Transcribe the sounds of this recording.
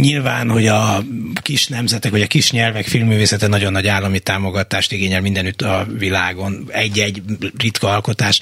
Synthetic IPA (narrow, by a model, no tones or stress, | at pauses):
ɲilvaːnho̞ɟɒkiʃnɛmzɛt̪ɛkʋɒɟɒkiʃɲɛlvɛkfilmːyːveːsɛt̪ɛnɒɟo̞nːɒɟaːlːɒmit̪aːmo̞ɡɒt̪aːʃt̪iɡeːɲɛlmind̪ɛnyt̪ːɒvilaːɡo̞nɛɟːɛɟrit̪kɒɒlko̞t̪aːʃ